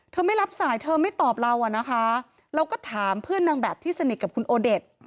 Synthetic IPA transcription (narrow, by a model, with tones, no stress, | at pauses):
t̪ʰɤː˧ma˥˩jɾa˦˥p̚saː˩˦jt̪ʰɤː˧ma˥˩jt̪ɔː˨˩p̚ɾa˧wʔa˨˩na˦˥kʰa˦˥ | ɾa˧wkɔː˥˩t̪ʰaː˩˦mpʰɯ˥˩ənːa˧ŋbɛː˨˩p̚t̪ʰiː˥˩sa˧ni˨˩ka˨˩kʰu˧nʔoː˧de˨˩t̪̚